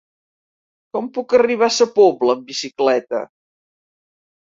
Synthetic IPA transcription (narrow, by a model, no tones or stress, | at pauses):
kɔmpukəriβ̞asəpobləːmbisiklɛt̪ə̰